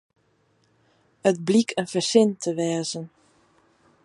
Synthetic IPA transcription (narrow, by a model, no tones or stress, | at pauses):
ət̚blikʰənfərsɪntʰəʋɛːzən